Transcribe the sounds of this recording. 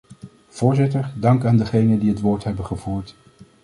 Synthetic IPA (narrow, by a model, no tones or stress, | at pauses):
v̥ʊːɹzɪtəɹdɑŋkaːndəχejnəndiɦətʋoːɹtɦɛbənχəvuːɹt